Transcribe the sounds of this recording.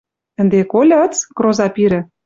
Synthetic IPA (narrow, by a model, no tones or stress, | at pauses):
ə̆nd̪ekolʲə̆t͡sɡrozɑpiɾɘ̆